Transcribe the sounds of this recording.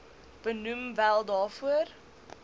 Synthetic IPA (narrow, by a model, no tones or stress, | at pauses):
b̥ənumvælˠdɑːfuər